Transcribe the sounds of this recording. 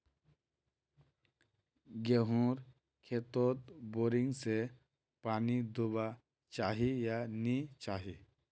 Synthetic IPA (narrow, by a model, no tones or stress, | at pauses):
ɡeɦũɾ | kʰet̪ɔt̪bɔɾiŋɡse | panid̪uba | t͡ʃaɦijanit͡ɕaɦi